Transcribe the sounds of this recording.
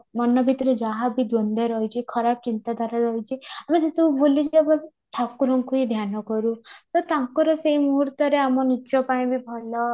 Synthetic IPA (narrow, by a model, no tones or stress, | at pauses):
mɔnɔbʱit̪ɾed͡ʒaɦabʱid̪wɔnd̪ʱeɾɔɦit͡ʃʰikʰɔɾapɔt͡ʃint̪ad̪ʱaɾaɾɔɦit͡ʃʰiamesesɔbubolit͡ʃʰabɔ | ʈʰakuɾɔŋkuɦid̪ʱjanɔkɔɾũt̪ɔt̪ãŋkɔɾɔsejmuɦuɾt̪ɔɾeamɔnit͡ʃɔpaĩbʱibʱɔlɔ